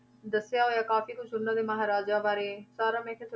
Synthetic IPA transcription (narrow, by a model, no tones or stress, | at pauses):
d̪əsːɪjaːɦoːjaːkaːfiːkʊt͡ʃʰʊnːãːd̪eːməɦaːɾaːd͡ʒaːbaːɾeːsaːɾaːmɛ̃ːkʰeːt̪